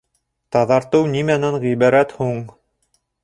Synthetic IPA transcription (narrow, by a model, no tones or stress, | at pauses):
t̪ɑðɑɾt̪ɤwnimænæɴʁibɑɾæt̪huɴ